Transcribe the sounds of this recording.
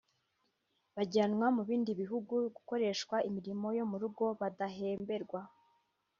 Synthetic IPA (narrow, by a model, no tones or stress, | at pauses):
βaɟanŋwamuβiːndiβiɦuɡuɡuko̞ɾe̞ʃkwaʔimiɾimo̞jo̞muɾuɡo̞βadaɦe̞ːmbe̞ɾɡwa